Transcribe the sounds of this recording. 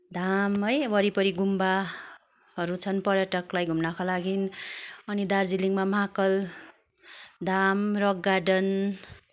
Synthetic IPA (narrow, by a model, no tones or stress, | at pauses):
d̪amɦʌjwʌɾipʌɾiɡumba | ɦʌɾut͡sʰʌnpʌɾjʌʈʌklajɡʱumnakolaɡinʌnid̪ard͡ziliŋmamakʌl | d̪amrʌɡːaɖʌn